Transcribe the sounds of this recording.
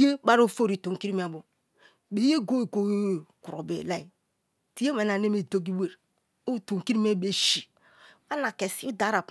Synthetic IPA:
je˦ba˦ɾo˦˨fo˦ɾi˨to˨ŋ˨ki˦ɾi˦m˦˨a˨bo˨ | be˨˦e˦ɡo˦e˨ɡo˦ku˨ɾo˨bḛ˨la˦i˨ | ti˨˦e˦me˨na˨ne˦me˦˨do˦ɡi˦we˨ɾ | o˦˨to˨ŋ˨ki˦ɾi˦me˦˨be˦ʃi˨ | a˦na˨ke˨si˦u˦da˨˦ɾa˨p

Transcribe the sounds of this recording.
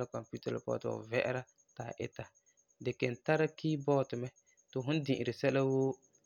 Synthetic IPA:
la˦kɔ˨mpu˦tɛ̰˦l̰pɔ̰˦˨tɔ̰˨vɛ˦ʔɛ̰˦ɾa˦ | ta˨ʔɪ̰˦ta˨ | dɛ˨kɛ˨n̩˨ta˦ɾa˦kiː˦bɔ˦˨tɪ˨mɛ˦ | tʊ˨ɦʊ˦n˦dĩ˨ʔɪ˨ɾɪ˨sɛ˦la˦woː˦

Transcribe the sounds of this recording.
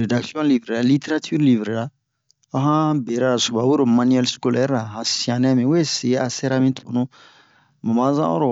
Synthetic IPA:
ɾe˨da˨ksjɔ̃˦li˨bɾe˨ɾa˨li˦te˦ɾa˦tʰy˦ɾli˨bɾe˨ɾa˨ | a˦ɦã˦be˨ɾa˦˨su˨ba˨bu˦ɾo˨mã˦niɛ˦lsko˦lɛ˦ɾa˨hã˨sĩ˨ã˨nɛ̃˦mĩ˨we˦se˨˦a˨sɛ˦ɾa˦mĩ˦to˨o˨nũ˦ | mã˨mã˦zã̰˦ɔ̰˦ɾɔ˨

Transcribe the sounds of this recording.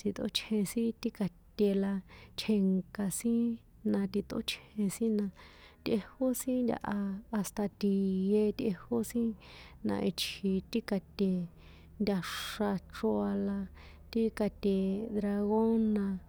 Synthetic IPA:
t͡si˧t̪o̰˦t͡ʃʰhẽ˧sĩ˦t̪i˦ka˧t̪ʲe˧la˧t͡ʃʰe˧ŋka˧sĩ˦ | nã˧t̪i˧t̪o̰˦t͡ʃʰhẽ˧sĩ˦nã˧t̪ʲʔe˧ho˦sĩ˦nd̪ʲa̰˧ʔaː˧st̪a˧t̪i˧je˧t̪ʲʔe˧ho˦sĩ˦ | nã̰˧ʔi˧t͡ʃʰhi˧t̪i˦ka˧t̪ʲe˧ | nd̪ʲa˧ʂa˧ʈ͡ʂo˧a˧la˧ | t̪i˦ka˧t̪ʲe˧d̪ɾa˧ɣo˦nã˧

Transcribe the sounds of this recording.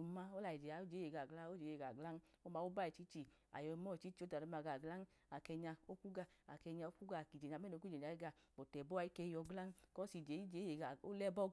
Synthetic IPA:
u˨ma˦o˦la˧˨i˨d͡ʒe˨a˨˦o˦d͡ʒe˨˦e˨ɡa˨ɡla˦o˦d͡ʒe˨˦je˧˨ɡa˨ɡla˦n˦o˦ma˧˦o˦ba˦˨i˨t͡ʃi˨˦t͡ʃi˧a̰˨jɔ˧mɔ˦˨t͡ʃi˦t͡ʃi˧˦o˦da˨ɔ˧˦ma˧˨ɡa˨ɡla˦n˦ | a˨kɛ˧ɲa˧o˦ku˦ɡa˧˨a˨kɛ˧ɲa˧o˦ku˦ɡa˧˨ki˨d͡ʒe˨ɲa˨˧˦m˦ɛ˦˨o˧˦ku˦d͡ʒe˨ɲ˨a˧˦i˦ɡa˧˨bɔ˨tɛ˨bɔ˦a˧˦i˦kɛ˧jɔ˧ɡla˦n˦kɔ˦si˨˧˨d͡ʒe˨˦i˦d͡ʒe˨˦je˨ɡa˨o˦lɛ˦bɔ˦

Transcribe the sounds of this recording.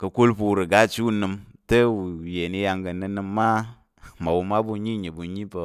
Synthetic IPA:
kɐ˧ku˦lpu˧u˨ɾɨ˨ɡa˦˨t͡ʃi˦u˦nɨ˧m | tə˦wu˨je˨ni˧ja˧ŋɡə˨˧nɨ˧nɨ˧mːa˦ | ma˨wu˧ma˦bu˧ɲi˦˨ɲi˨bu˨ɲi˦pə˧

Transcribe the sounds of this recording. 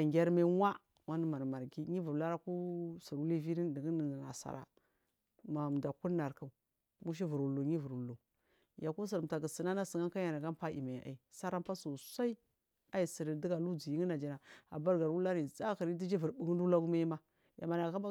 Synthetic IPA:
a˨ŋɡʲa˦ɾma˦wa˦ | wa˦n˦ma˨ɾma˨ɡi˦ɲi˦vu˨ɾla˦ɾa˦ku˦si˨ɾwu˦li˦vi˦ɾi˦ndi˨ɡi˦n˨na̰˨sa̰˨ɾa̰˨ | ma˨m˨da˨ku˦na˨ɾka˨u˨ | mu˦ʃ̬i˦vu˨ɾwu˨lu˨ɲi˦vu˨ɾwu˨lu˨ | ja˨ku˦s̬i˨ɾta˨ɡə˨si˨na˦na˦sə˨ŋa˦nka˦ja˨na˨ɡa˦m˦pa˦ʔḭ˨ma̰˨ʔa̰˨i˨sa˦ɾa˦m˦pa˦su˨sa˦i˦ | a˦ji˨si˨ɾi˨di˦ɡa˨lu˦d͡zi˨ji˦ŋi˦na˨d͡ʒi˨na˨a̰˨ba˦ɾɡa˨wu˦la˦ɾi˨t͡sa˦ki˨ɾi˦di˦d͡ʒi˦vu˨ɾbu˨ɡu˦n˦du˦la˦ɡu˦ma˦ji˦ma˦ | ja̰˨ma˨na˨ka˦ma˦

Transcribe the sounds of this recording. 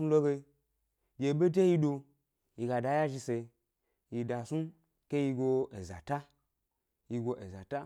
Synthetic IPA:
u˧˦lo˦ɡe˧ | je˧˨be˦de˦ji˧do˧ | ji˧ɡa˧da˧˦ja˦ʒi˧se˧ | ji˧da˧su˦ | ke˦ji˧ɡo˧e˨za̰˨ta˦ | ji˧ɡo˧ʔe˨za˨ta˦

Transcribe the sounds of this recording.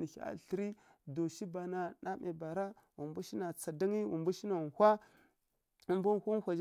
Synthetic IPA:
ni˨˦a̰˨ɬi˨ɾi˦ | do˨ʃi˦ba˨na˨na˦me˨ba˨ɾa˦ | wu˨mbu˦ʃi˦na˨t͡sa˨da˦ŋi˦wu˨mbu˦ʃi˦na˨n˨hʷa˦ | u˨˦mba˦n˦hu˦n˦xʷa˨d͡ʒ

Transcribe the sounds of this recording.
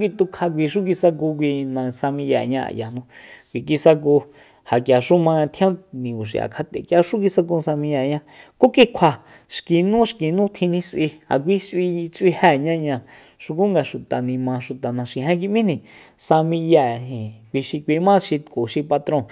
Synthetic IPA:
ki˧t̪u˧kʰa˧kʷi˧ʃ̬u˦k̬i˧sa˧ku˧k̬ʷi˧nã˧sa˧mĩ˧ja̰˧˨ɲã˧a̰˨ja˨nũ˧kʷi˨k̬i˧sa˧k̬u˧ | ha˨kja˨ʃu˦mã˧a˧t̪ʰjã˦nĩ˨u˨ʃ̬ḭ˨ʔa̰˨kʰa˧t̪ḛ˨kja˧ʃu˦k̬i˧sa˧k̬ũ˧sa˧mĩ˧ja˧˨ɲã˦ko˦ki˧kʷʰa˧˨ | ʃki˨nũː˦ʃki˨nũː˦t̪ʰĩ˧nĩ˧sʔi˧a̰˨kʷi˧sʔi˧t͡si˧hɛː˦˨ɲã˦ɲã˧ | ʃu˧ku˦ŋɡa˧˨ʃu˨t̪a˨nĩ˧mã˧ʃu˨t̪a˨nã˨˧ʃi˨ɦɛ̃˦k̬i˧mĩ˦nĩ˧˨ | sa˧mĩ˧ja˧˨ɦĩ˨kʷi˧ʃi˧kʷi˧˦mã˦ʃi˧ko˨ʃi˧pa˧t̪ɾõ˦˧˨

